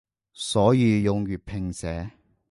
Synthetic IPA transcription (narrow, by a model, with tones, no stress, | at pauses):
sɔː˨˥jiː˨˧jʊ˨ŋɥyː˨˩t̚pʰɪ˨ŋsɛː˨˥